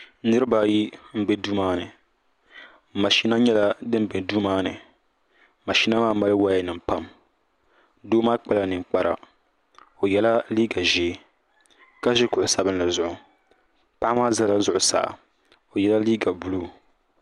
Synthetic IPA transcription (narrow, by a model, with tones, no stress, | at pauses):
nɨ˦ɾɨ˦ba˨ji˦m̩˦be˦duː˦maː˦nɨ˨ | ma˨ʃi˦na˦ɲɛ˦la˦dɨ˦m˦be˨duː˦maː˦nɨ̰˨ | ma˨ʃi˦na˦maː˦ma˦lɨ˦wa˦a˨nɨ˨m̩˨pa˦m | doː˦maː˦k͡pa˦la˨nɨ˨ŋ͡mk͡pa˦ɾa̰˨ | o˨jɛ˦la˦liː˦ɡa˨ʒe˨˦ | ka˦ʒɪ˦kʊ˨ʔʊ˨sa˦bɨ˦n˦la˨zʊ˨ʔʊ˨ | pa˦ʔa˦maː˦za˦la˦zʊ˨ʔʊ˨sa̰˨a̰˨ | o˨jɛ˦la˦liː˦ɡa˨bu˦lu˦˨